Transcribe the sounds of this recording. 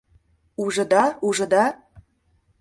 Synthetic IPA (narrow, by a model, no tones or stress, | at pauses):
uʒɤ̆d̪ɑuʒɤ̆d̪ɑ